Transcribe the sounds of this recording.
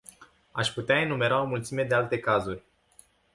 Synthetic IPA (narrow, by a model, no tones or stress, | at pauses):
aʃʲput̪eaenume̞ɾao̞mult̪sime̞d̪ealt̪e̞kazurʲ